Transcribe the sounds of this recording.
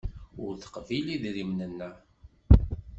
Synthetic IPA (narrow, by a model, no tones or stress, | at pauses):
ʊɾθə̥qviliðɾimnənːæ